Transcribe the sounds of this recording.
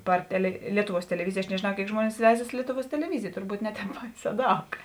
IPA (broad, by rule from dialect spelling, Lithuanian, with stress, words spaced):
ˈpɐr tʲɛlʲɛ ˈlʲiɛtʊˌʋuɔs tʲɛlʲɛˈʋʲɪzʲɪj ɐʃ nʲɛʒʲeːˈnɐʊ ˈkʲeːɪk ˈʒmuɔnʲɪs ˈʋʲɛɪzɐs ˈlʲiɛtʊˌʋuɔs tʲɛlʲɛˈʋʲɪzʲɪj tʊrˈbuːt ˈnʲɛ ˌtʲɛːp ˈbɐɪˌsʲɛː ˈdɐʊk